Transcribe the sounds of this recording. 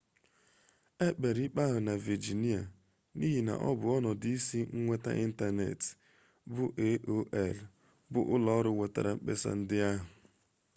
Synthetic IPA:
e˦k͡pe˨ɾi˦k͡pa˦ɦʊ˨na˨vi˨d͡ʒi˨ni˦a˨ | ni˦ɦi˨na̰˨ʔɔ̰˦bʊ˨ɔ˦nɔ˨di˦si˦ŋ̩˦ŋʷe˦ta̰˦ʔi˦n̩˦ta˦nḛ˨t | bʊ˦ʔe˦ʔo˦ʔɛ˨l | bʊ̰˦ʔʊ˦lɔ˦ɾʊ˦wʷe˨ta̰˨ɾa˨ŋ͡m̩˦k͡pḛ˦sa̰˦n̩˦dɪ˦a˦ɦʊ˨

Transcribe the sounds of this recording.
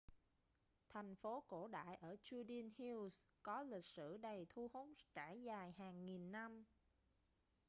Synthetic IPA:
t̪ʰɛ˨˩jŋ̟fo˨˦ko̰˧˩ɗa̰ː˧˨jʔəː˧˩t͡ɕu˧ɗi˧ənhi˧wskɔ˨˦lï˨˩k̟̚sɨ̰˧˩˨ɗə˨˩jt̪ʰu˧hu˨˦nt͡ɕaː˧˩jzaː˨˩jɦaː˨˩ŋːi˨˩nːa˧m

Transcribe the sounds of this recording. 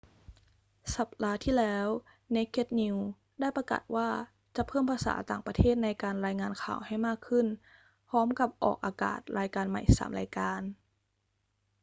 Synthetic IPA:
sa˧˩p̚daː˧˥t̪ʰiː˥˩lɛː˦˥w | ne˦˥kʰːe˦˥t̪̚ni˧w | da˥˩jpa˧ka̰ː˨˩t̪̚waː˥˩ | t͡ɕa˨˩pʰɤː˥˩mpʰaː˧sa̰ː˩˦t̪aː˨˩ŋpa˧t̪ʰeː˥˩t̪̚na˧jkaː˧nɾaː˧jŋaː˧nkʰa̰ː˨˩wha˥˩jmaː˥˩kʰːɯ˥˩n | pʰɔː˦˥mka˧˩p̚ʔɔ̰ː˨˩k̚ʔaː˧ka̰ː˨˩t̪̚ɾaː˧jkaː˧nma̰˨˩jsa̰ː˩˦mɾaː˧jkaː˧n

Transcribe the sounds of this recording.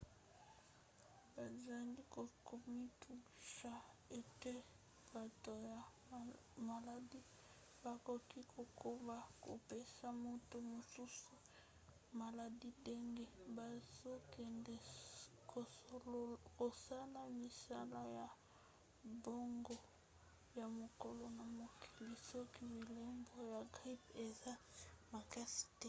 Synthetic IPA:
ba˨za˨li˦ko˨kʰo˨mi˦tu˨ʃa˨e˨te˦ | b̥a˨to˨ja˨ | ma˨la˨di˦ | ba˨ko˨ki˦kʰo˨kʰo˦ba˨ko̰˨pe˦sa˦mo˦to˦mo˨su˦su˨ | ma˨la˨di˦de˦ŋɡɛ˦ba˨zo˦kɛ˨nde˨ | ko˨ | ko˨sa˦la˨mi˨sa˦la˦ja˨ | bo˦ŋɡo˦ | ja˨mo˨ko˨lo˨na˨mo˨kʰi˨li˨sɔ˦ki˦bi˨lo˦mbo˦ja˨ɡʁi˦pe˨za˦ma˨ka˦si̥˨tɛ˦

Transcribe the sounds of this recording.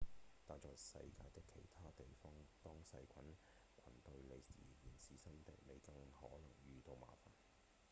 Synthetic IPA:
t̪aː˨˧k̚t͡ʃɔː˨jsɐ̰˧jkaː˧jt̪ɪ˥kʰːe˨˩jt̪ʰaː˥t̪e˨jfɔː˥ŋt̪ɔː˥ŋsɐ˧jkʷʰɐ˨˥n | kʷʰɐ˨˩nt̪ɵ˧ɥle˨˧jiː˨˩jiː˨˩nsiː˨sɐ˥nt̪ḛ˨˩jme˨˧jkɐ˧ŋhɔ̰ː˨˥lɐ˨˩ŋjyː˧t̪o˧wma̰ː˨˩fa̰ː˨˩n

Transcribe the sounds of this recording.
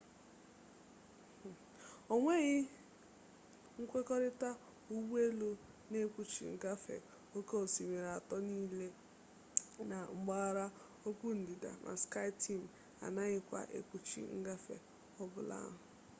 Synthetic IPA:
o˦ŋʷe˦ɣɪ˦ | ŋ̩˦kʷe˦kɔ˦ɾɪ˦ta˦ | u˦wu˦e˦lo˦ | ne˦kʷu˦t͡ʃḭ˨ŋ̩˨ɡa˦fḛ˨ | o˦ke˦o˨si˨me˨ɾa˨tɔ˦niː˦le˦ | na˨ŋ͡m̩˦ɡ͡ba˦ɾa˦ | o˦kʷu˦n̩˨di˨da̰˨mʔa̰˨ska˦ɪ˦tʰi˦m̩˨ | a̰˨na˦ɣɪ˦kʷa̰˨ʔḛ˨kʷu˨t͡ʃḭ˦ŋ̩˦ɡa˦fḛ˨ | ɔ˦bʊ˨la̰˦ɦʊ˨

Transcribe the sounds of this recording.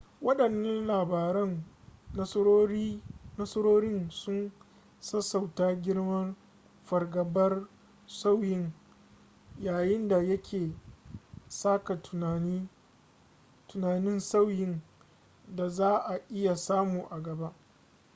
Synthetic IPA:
wɐ˦ɗɐ˨nːɐ˦nlaː˨baː˨ɾɐ˦n | ɐ˦i˦nɐ˦sɾoː˦ɾɪ˦nsʊ˦n | sɐ˦sa˨wtaː˦ɡʲɪ˦ɽmɐ˦n | ɸɐ˨rɡɐ˨bɐ˦r | sa˦wjɪ˦n | jaː˨jɪ˦nda˨jɐ˦kʲʰeː˨ | saː˦ka˨i˦ | tʊ˨naː˨nɪ˦nsa˦wjɪ˦n | da˨zaː˦ʔa˨ʔɪ˦ja˨saː˦muː˨ʔa˨ɡɐ˨ba˦ʔ

